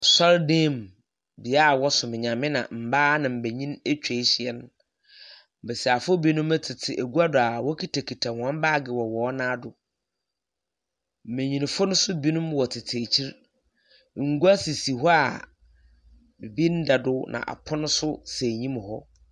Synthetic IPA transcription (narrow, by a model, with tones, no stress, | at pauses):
sɔ˦ɾdẽː˦˨m | bi˨a˦˨wɔ˦sʊ˨mɪ̃˨ɲã˨mɪ̃˦nã̰˨m̩˨baː˦nã˨m̩˨be˨ɲĩ˦ne˦t͡ɕᶣe˨˦ɕɪ˨ɛ˦n˦ | m̩˨bɛ˨sa˨fʊ˦bi˦nũ˦mɛ˦tʰɪ˨tʰɪ˨ʔæ˨ɡu˦a˦dʊ˨a˨wɔ˦kʰi˦tʰa˨kʰi˨tʰa˨hã˦m˦baː˦˨ɡɪ˨wɔ˨wɔː˨˦nãː˦dʊ˨ | m̩˨mẽ˨ɲĩ˨n˨fʊ˦nʊ̃˦sʊ˦bi˦nũ˦mwɔ˨tʰɪ˨tʰe˨t͡ɕʰi˦ɾ | ŋ̩˨˦ɡu˦a˦si˨si˨ɦɔ˦a˨ | bi˨bi˦n̩˦dɛ˨dʊ˦nʔã̰˨ʔa̰˨pʰɔ˦nʊ̃˦sʊ˦se˨ɲĩ˦m˨hɔ̰˦